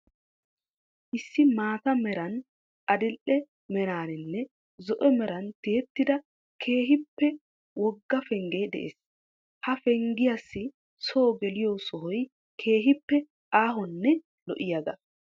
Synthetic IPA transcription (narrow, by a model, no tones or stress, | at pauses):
ʔɪsːɪmaːt̪ɐmɛɾɐn | ʔɐd̪ɪlʔɛ | mɛɾaːnɛnːɛ | zɔʔɛmɛɾɐnt̪ɪjɛt̪ːɪd̪ɐ | kʰe̞ːɦɪpːɛ | wɔɡːɐfɛŋɡeːd̪ɛ̰ʔḛːs | hɐfɛŋɡɪjɐsːɪ | soːɡɛlɪjoːsɔɦɔj | kʰe̞ːɦɪpːɛ | ʔaːɦɔnːɛ | lɔ̰ʔɪjɐd̪ɐ